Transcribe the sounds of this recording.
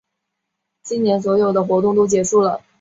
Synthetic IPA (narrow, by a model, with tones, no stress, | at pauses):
t͡ɕi˥nnjɛ˧˥nswɔ˧˥jo˨˩ʊd̪ə˦xwɔ˧˥t̪ʊ˥˧ŋt̪̬o˥t͡ɕjɛ˧˥ʂu˥˩lə˩